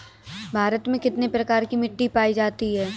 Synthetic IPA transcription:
bʱaːɾət̪mẽkɪt̪nepɾɐkaːɾkimɪʈːipaːid͡ʒaːt̪iɦɛː

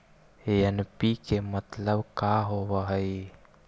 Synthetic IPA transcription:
ejanpikemat̪lawkaɦowaɦaj

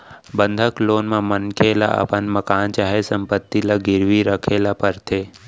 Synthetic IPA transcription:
bənd̪ʱəkloːnmãmənkʰeːla̰ʔə̰pənməkaːnt͡ʃaːɦesə̃mpət̪ːilaɡɪɾʋiɾəkʰeːlapəɾt̪ʰeː

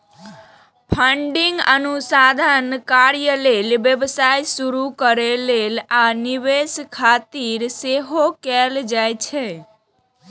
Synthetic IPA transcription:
pʰəɳɖiŋɡənusad̪ʱənkaɾjəlelbjəbsajsuɾukəɾelelaniʋeskʰat̪iɾseɦokɛld͡ʒajt͡ʃʰɛ

